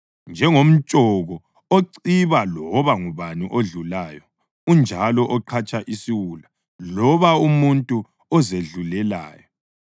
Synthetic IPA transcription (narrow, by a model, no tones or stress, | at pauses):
nd͡ʒʱɛŋom̩t͡ʃʼɔɣɔ | oǀiβalɔβaŋuβaniʔoɮulaːjɔ | und͡ʒʱalɔʔɔǃʰat͡ʃʼaʔisiwula | lɔβaumuntʼu | ɔzeɮulɛla̰ːjɔ